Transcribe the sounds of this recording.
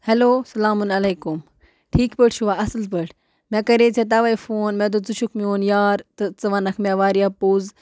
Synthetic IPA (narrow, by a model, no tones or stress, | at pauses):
hɐloːsɐlaːmunɐleːkum | ʈʰiːkpəʈt͡ʃʰuʋaːɐsɨlpəʈʰ | mẽːkɐɾeːt͡sʰet̪̬ɐʋɐjfoːnmẽːd̪̬od͡zuʃukmioːnjaːɾt̪ɨt͡sɨʋɐnɐkʰmẽːʋaːɾijaːpuːz